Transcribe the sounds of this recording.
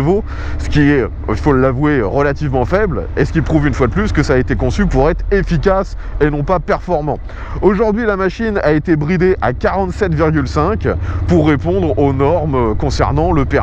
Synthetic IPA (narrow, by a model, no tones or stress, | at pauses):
vo | sə̥kʲiɛ | ifoləlavweʁəlat̪ivmɑ̃fɛblesə̥kʲilpχuvynfwad̪əplyskəsaːet̪ekɔ̃sypuʁɛt̪χefikas | enɔ̃papɛʁfɔʁmɑ̃ | oʒuʁd̪ɥilamaʃinaet̪ebʁid̪eʔakaʁɑ̃t̪sɛt̪viʁɡʲylsɛ̃kpuʁːepɔ̃d̪ʁonɔʁmkɔ̃sɛ̰ʁnɑ̃ləpɛ